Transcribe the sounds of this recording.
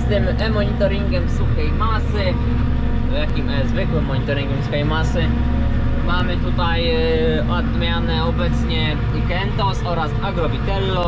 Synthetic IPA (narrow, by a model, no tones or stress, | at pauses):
st̪ɘmɛmɔɲit̪ɔɾiŋɡʲɛmsuxɛjmasɘ | jakʲimɛzvɘkwɘmːɔɲit̪ɔɾʲiŋɡʲɛmfsuxɛjmasɘ | mamɘt̪ut̪aj | ɔd̪mʲjanɛɔbɛt̪sɲɛ | ɡɛnt̪ɔsɔɾasaɡɾɔbʲit̪ɛlːɔ